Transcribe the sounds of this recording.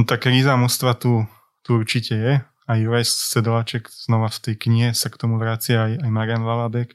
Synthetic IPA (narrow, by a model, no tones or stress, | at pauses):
t̪akɾiːzamust̪ʋat̪u | t̪uuɾt͡ʃicɛjɛ | ajuɾajsːɛd̪lat͡ʃɛɡz̥nɔʋaft̪ɛjkɲiɦɛsakt̪ɔmuʋɾaːt͡sɪaajajmaɾɪjanlalabɛk